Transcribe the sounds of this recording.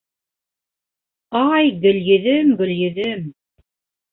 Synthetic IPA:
ɑjɡɵ̆ljɵ̆ðɘmɡɵ̆ljɘ̆ðɘm

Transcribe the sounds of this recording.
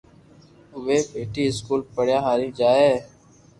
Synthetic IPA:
ʋeːpeːʈiːɪskuːlpəɽjaːɦaːɾĩːd͡ʒaːeː

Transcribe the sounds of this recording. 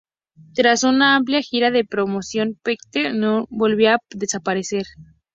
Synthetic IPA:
t̪ɾasunaamp̬ljaxiɾaðe̞pɾo̞mo̞sjo̞npekt̪enobo̞lβjoaðe̞sapaɾese̞ɾ

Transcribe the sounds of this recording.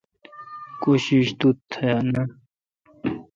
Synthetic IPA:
koɕiɕt̪ut̪ʰana

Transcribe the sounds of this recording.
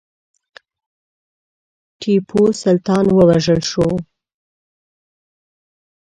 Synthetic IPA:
ʈʰipʰosalt̪ɑnwəwaʒəlʃo

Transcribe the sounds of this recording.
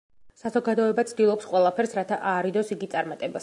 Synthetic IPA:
sazɔɡad̪ɔɛbat̪sʰd̪ilˠɔpsqʼwɛlˠapʰɛɾsɾat̪ʰaʔaːɾid̪ɔsiɡit̪sʼaɾmat̪ʼɛbas

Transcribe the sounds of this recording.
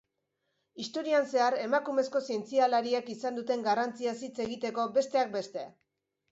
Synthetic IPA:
ist̪o̞ɾianse̞aɾe̞makume̞sko̞sie̞nt͡sialaɾiakisand̪ut̪e̞ŋɡarant͡siasit͡se̞ɣit̪e̞ko̞be̞st̪e̞ak̚be̞st̪e̞

